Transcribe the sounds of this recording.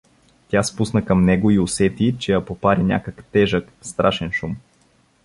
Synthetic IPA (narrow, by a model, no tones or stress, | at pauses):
t̪ʲaspusnəkɐmnɛɡoiʊsɛt̪it͡ʃɛjɐpopaɾinʲa̰kəkt̪ɛʒək | st̪ɾaʃɛnʃum